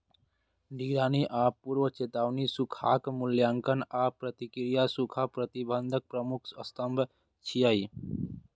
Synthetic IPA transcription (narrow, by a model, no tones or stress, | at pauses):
ɖiɡɾaːniʔaːpːuɾʋət͡ʃeːt̪aːʋnisukʰaːkmʊljaːŋkənaːpɾət̪ikɾijasukʰapɾət̪ibənd̪ʱək̚pɾəmʊkʰəst̪əmbʱ | t͡ʃʰijai